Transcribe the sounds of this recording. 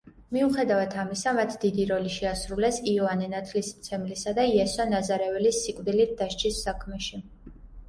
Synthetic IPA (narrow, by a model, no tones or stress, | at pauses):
miuχɛd̪avat̪ʰamisamat̪ʰd̪id̪iɾɔliʃɛasɾulɛsiɔanɛnat̪ʰlismt̪sʰɛmlisad̪aiɛsɔnazaɾɛvɛlisːikʼvd̪ilit̪̚ʰd̪̥aʃt͡ʃʰisːakʰmɛʃi